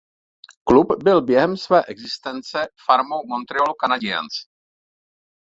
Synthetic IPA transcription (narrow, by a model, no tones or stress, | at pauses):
klupbɪlbjɛɦɛmsvɛːʔɛɡzɪst̪ɛnt͡sɛfaɾmowmo̞nt̪ɾɪolukanaɟɪa̰nt͡s